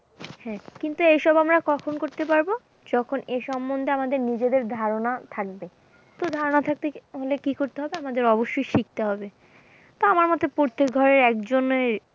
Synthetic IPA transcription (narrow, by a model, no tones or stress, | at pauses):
hɛ̃kint̪uejʃɔbamɾakɔkʰonkoɾt̪epaɾbo | d͡ʑɔkʰoneʃɔmːond̪ʱeamad̪eɾnid͡ʑed̪eɾd̪ʱaɾonat̪ʰak̚be | t̪od̪ʱaɾonat̪ʰak̚t̪eɦolekikoɾt̪eɦɔbeamad̪eɾɔboʃːojʃik̚t̪eɦɔbe | t̪oamaɾmɔt̪opoɾt̪ʰːek̚ɡʱɔɾeɾɛkd͡ʑoneɾ